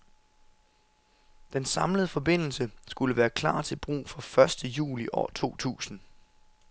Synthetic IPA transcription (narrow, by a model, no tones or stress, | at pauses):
d̥ensɑ̈mləð̞̩ˠəfɒ̽be̝n̰l̩səsɡ̥uləʋæːɐkʰlɑ̰̈ːt͡sʰe̝lb̥ʁṵːfɒ̽fɶɐsd̥əjṵːliʔɒ̰ːt͡sʰo̝̰ːt͡sʰṵːsn̩